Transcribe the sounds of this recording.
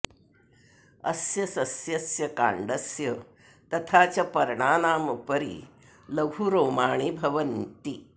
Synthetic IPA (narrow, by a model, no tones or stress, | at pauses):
ɐsjɐsɐsjɐsjɐka̰ːɳɖɐsjɐ | t̪ɐt̪ʰaːt͡ɕɐpɐɾɳaːnaːmɐpɐɾḭ | lɐɡʱuɾoːmaːɳ̃ibʱɐʋɐnt̪i